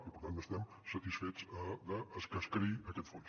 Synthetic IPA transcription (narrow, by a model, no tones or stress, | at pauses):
ipəɾt̪anəst̪ɛm | sət̪isfet͡səd̪əːskəskəɾiəkɛt̪fon